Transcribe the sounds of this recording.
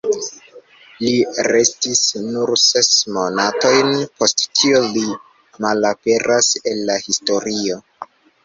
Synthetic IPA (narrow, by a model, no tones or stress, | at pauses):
liɾe̞stisnuɾse̞smo̞nato̞jnpo̞sttʰioli | malape̞ɾʔase̞nlahisto̞ɾio̞